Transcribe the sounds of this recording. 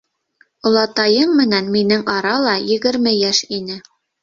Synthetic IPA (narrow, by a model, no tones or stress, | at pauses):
ŏlˠɑt̪ɑjɤmːɘ̆nænminɘŋɑɾɑlˠɑjɘ̆ɡɘ̆ɾmɘjæʃinɘ